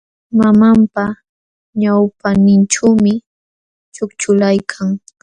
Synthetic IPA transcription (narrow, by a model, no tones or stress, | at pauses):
mamampa | ɲawpanɪnʈ͡ʂawmɪ | t͡ʃʊkt͡ʃʊlajkʰaŋ